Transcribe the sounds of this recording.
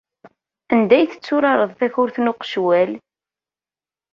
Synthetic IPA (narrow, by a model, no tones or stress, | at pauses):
ænd̪æjθə̥t͡sːʊɾɑɾˤəðˤθæçʊɾθnʊqʃwæl